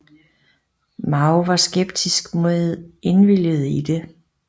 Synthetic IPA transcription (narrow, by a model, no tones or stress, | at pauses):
mɑ̈ʊʋɑ̈sɡ̥eb̥̚d̥ʰisɡ̥mo̝ðe̝nʋiljəð̞̩ˠid̥e̝